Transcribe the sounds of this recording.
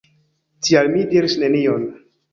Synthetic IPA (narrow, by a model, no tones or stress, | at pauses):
tʰialmidiɾisne̞nion